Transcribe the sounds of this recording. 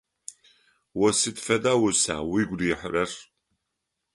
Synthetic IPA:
wɔsɨdfɐdaːwʊsa̰ːwiɡʷdiːħərɐr

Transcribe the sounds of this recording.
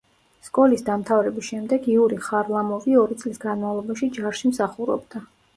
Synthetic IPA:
skʼɔlisd̪amt̪ʰavɾɛbisʃɛmd̪ɛɡiuɾiχaɾlˠamɔviɔɾit̪sʼlisɡanmavlˠɔbaʃid͡ʒaɾʃimsaχuɾɔ̰bd̪̥a

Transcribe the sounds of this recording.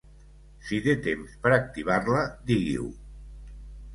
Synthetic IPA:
sit̪et̪emspəɾak̚t̪iβ̞arləd̪iɣḭw

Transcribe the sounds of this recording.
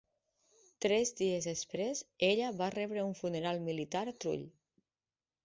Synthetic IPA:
t̪ɾɛzðiezespɾezeʎəβarɛβɾəuɱfuneɾalˠmilit̪aɾt̪ɾṵʎ

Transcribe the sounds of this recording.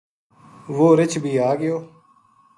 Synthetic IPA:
ʋoːɾɪt͡ʃʰbʱiːaːɡɪjoː

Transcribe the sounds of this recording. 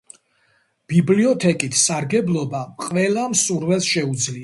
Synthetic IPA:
b̥ibliɔt̪ʰɛkʼit̪ʰsaɾɡɛblˠɔbaqʼvɛlˠamsuɾvɛlˠsʃɛud̪zlia

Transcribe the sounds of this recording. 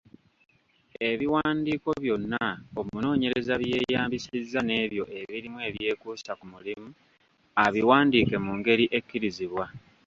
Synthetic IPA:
e̞βiwaːndiːko̞βjo̞nːao̞muno̞ːɲe̞ɾe̞zaβje̞jaːmbisizːane̞ːβjo̞ʔe̞βiɾimwe̞ːβje̞ːkuːsakumulimu | aβiwaːndiːke̞muːŋɡe̞ɾiʔe̞kːiɾiziβwa

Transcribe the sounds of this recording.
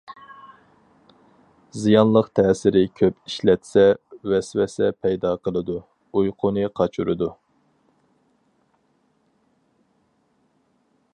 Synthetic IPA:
zijɑnlˠəqt̪ʰɛːsɪɾɪkʲʰøpiʃlɛt̪sɛwɛswɛsɛpʰɛjd̪ɑqʰəlˠɨd̪u | ujqʰʊnɨqʰɑt͡ʃʰṵɾɨd̪u

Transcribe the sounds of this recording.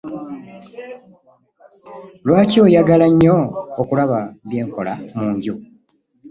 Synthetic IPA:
lwaːcio̞ːjaɡalaɲːoːkulaβaβje̞ːŋko̞lamuːɲɟu

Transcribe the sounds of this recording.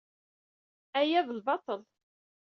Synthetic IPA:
æjæðəlbɑt̪ˤəl

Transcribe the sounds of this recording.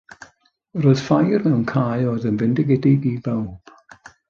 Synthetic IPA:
rɔɨð̥fajrmɛwnkʰaːɨɔːðənvɪndɪɡɛdɪɡibawb̥

